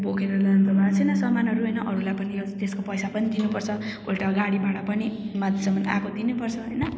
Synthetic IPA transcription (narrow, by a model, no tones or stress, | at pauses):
bokeɾʌlʌʌnt̪ʌbʱat͡sʰʌjnʌsʌmanɦʌɾuɦʌjnʌʔʌɾulajpʌnijot̪eskopʌjsapʌnid̪inupʌrt͡sʰʌoʈaɡaɽibaʈʌpʌnimad̪ʱisʌmːʌna̰kod̪inupʌrt͡sʰʌɦojnʌ